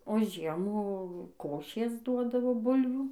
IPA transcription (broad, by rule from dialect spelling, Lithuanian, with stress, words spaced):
oː ˈʒʲiɛmuː ˈkoːʃʲeːs ˈduɔdɐʋoː ˈbʊlʲʋʲuː